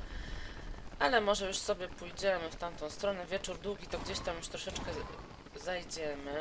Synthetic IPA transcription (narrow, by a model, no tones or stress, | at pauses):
ʔalɛmɔʐɛjuʂsɔbʲjɛpujd͡ʑɛmɘft̪amt̪ɔ̃w̃st̪ɾɔnɛvʲjɛt͡ʂuɾd̪wuɡʲit̪ɔɡd͡ʑeɕt̪amjuʂt̪ɾɔʂɛt͡ʂkɛ | zajd͡ʑɛmɘ